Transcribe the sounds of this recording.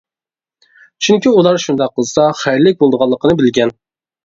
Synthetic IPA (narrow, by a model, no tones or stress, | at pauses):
t͡ʃʰyŋkʲiulˠɑɾʃund̪ɑqːəzɨ̥sɑχæɾlɪk̚ʲbolˠd̪əʁɑlˠːəqʰənɨbɪlɡʲɛn